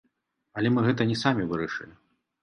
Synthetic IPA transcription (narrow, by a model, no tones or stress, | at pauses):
ɐlʲɛmɨɣɛt̪ɐnʲɛsamʲivɨɾɐʂɨ̰lʲi